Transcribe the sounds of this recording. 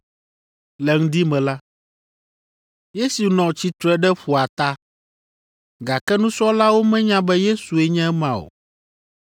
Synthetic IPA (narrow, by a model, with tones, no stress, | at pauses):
lɛ˨ŋ̩˦d̪i˦mɛ̃˨la˦ | je˦su˨nɔ̃˨t͡ɕi˦t̪ɾɛ˦ɖɛ˦ɸu˨a˨t̪a˦ | ɡa˨kɛ˦nũ˦sɔ˦la˦wo˦mɛ̃˦ɲã˦bɛ˦je˦su˨ɛ˦ɲɛ̃˦ɛ˦mã˨o̰˨